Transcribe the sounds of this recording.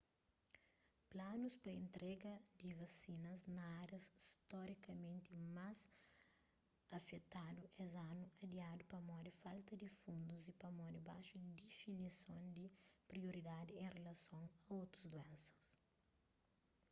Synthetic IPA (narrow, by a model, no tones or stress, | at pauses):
planuspɐẽnt̪ɾʔɛɡɐd̪ivɐsinɐznɐaɾjɐsist̪ɔɾikɐmẽnt̪imaz | ɐfet̪ad̪uʔɛzanuɐd̪iad̪upɐmɔd̪ifalt̪ɐd̪ifũnd̪uzipɐmɔd̪ibaʃud̪id̪ifinisõnd̪ipɾioɾid̪ad̪iẽrelɐsõŋɐot̪ɾɐzd̪uɛ̃nsɐ̥s